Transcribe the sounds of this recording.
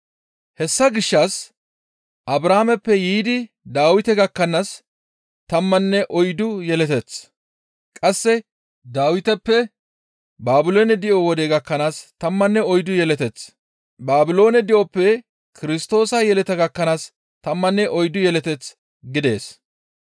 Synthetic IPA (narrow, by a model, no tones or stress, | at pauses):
hɛsːɐɡɪʃːɐs | ʔɐbɾaːmɛpːɛjiːd̪ɪ | d̪aːwɪt̪ɛɡɐkːɐnas | t̪ɐmːɐnːɛʔɔjd̪ʊjɛlɛt̪ɛt͡s | kʼɐsːɛ | d̪aːwɪt̪ɛpːɛ | baːbɪlo̞ːnɛd̪ɪʔowɔd̪eːɡɐkːɐnaːst̪ɐmːɐnːɛɔjd̪ʊjɛlɛt̪ɛt͡s | baːbɪlo̞ːnɛd̪ɪʔɔpːɛ | kɪɾɪst̪o̞ːsɐjɛlɛt̪ɛɡɐkːɐnaːs | t̪ɐmːɐnːɛʔɔjd̪ʊjɛlɛt̪ɛt͡s | ɡɪd̪e̞̰ːs